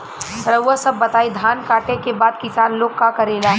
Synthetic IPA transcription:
ɾɐwasɐbːɐt̪aːid̪ʱaːnkaːʈekebaːd̪̚kɪsaːnloːkːakɐɾeːlaː

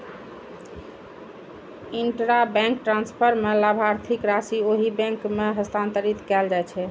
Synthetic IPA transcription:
iɳʈɾabɛ̃ŋkʈɾãnspʰəɾmelabʱaɾt̪ʰikɾasioɦibɛ̃ŋkmeɦəst̪ʰãnt̪əɾit̪kɛld͡ʒajt͡ʃʰɛ

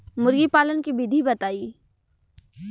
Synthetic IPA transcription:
mʊɾɡipaːlənkibiːd̪ʱibɐt̪aːiː

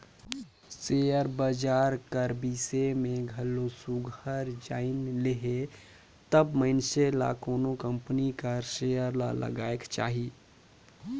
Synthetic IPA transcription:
sejəɾbad͡ʒaːɾkəɾbiːsemẽɡʱəlosuɡʱəɾd͡ʒaːɪnleɦe | t̪əbmənsela̰koːnokə̃mpnikəɾsejəɾla̰lə̰ɡaːekt͡ʃa̰ːɦi

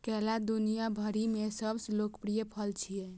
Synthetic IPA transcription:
kɛlad̪unijabʱəɾimesəbslokpɾijəpʰəlt͡ʃʰijɛ

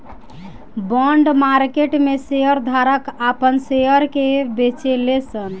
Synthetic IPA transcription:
bɔɳɖmaɾkeʈmesejəɾd̪ʱaɾəkapənsejəɾkebet͡ʃelesən

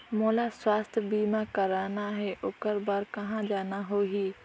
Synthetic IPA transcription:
moːlaswaːst̪ʰbiːmakəɾaːnaɦeʔʊkəɾbaɾkɐɦãd͡ʒaːnaɦoːɦiː

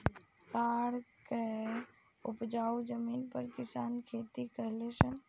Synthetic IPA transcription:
kaɽke | upd͡ʒaud͡ʒəminpəɾkisankʰet̪ikəɦlɛsən

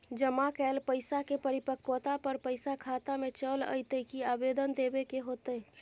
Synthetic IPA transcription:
d͡ʒəmakɛlpəɪsakepəɾipəkːwət̪apəɾpəɪsakʰat̪amẽt͡ʃələ̰ɪt̪əkiaːbed̪ənd̪ebekeɦoːt̪əɛ

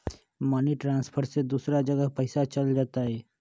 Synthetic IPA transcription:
maːniʈɾãːnspʰəɾsed̪uːsɾad͡ʒɐɡəɦpəɪsat͡ʃɐld͡ʒaːt̪aɦɛː

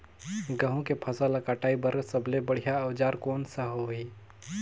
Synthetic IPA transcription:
ɡəɦõkepʰɐsalakaːʈaːibəɾsɐbʱlebəɽ̤ijaɐʋd͡ʒaːɾkoːnsaɦoi

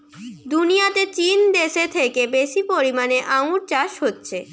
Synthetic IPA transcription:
d̪unijat̪et͡ɕind̪eʃet̪ʰekebeʃipoɾimaneʔaũɾt͡ɕaʃɦotːɕʰe

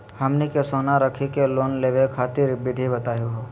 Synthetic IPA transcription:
hɐmnekesoːnaɾəkʰikeloːnleːʋekʰaːt̪ɪɾbɪd̪ʱibɐt̪aːjoɦoː

